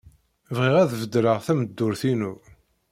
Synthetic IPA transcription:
vʁiʁæðvəd̪ɾəʁθæməd̪ːʊɾθinu

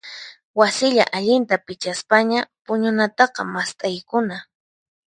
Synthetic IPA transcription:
wasɪʎa̰ʔaʎɪnt̪apɪt͡ʃaspaɲapʊɲʊnat̪ɑqɑ̰mast̪ʼajkʊna

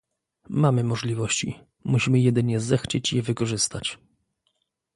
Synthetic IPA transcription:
mamɘmɔʐlʲivɔɕt͡ɕḭ | muɕimɘjɛd̪ɘɲɛzɛxt͡ɕet͡ɕjɛvɘkɔʐɘst̪at͡ɕ

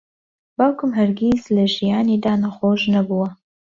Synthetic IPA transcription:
bawkɨmɦɐɾɡʲizlɐʒijaːniːd̪aːnɐxoːʃnɐbuwɐ

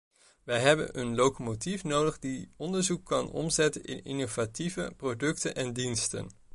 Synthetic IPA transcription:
ʋɛjɦɛbə̰nənlokomotifnowdəχdiɔndəɹzukːɑnɔ̰mzɛtənɪ̰nɪ̰nov̥ativəprodɵk̚tənʔɛndinstə̰n

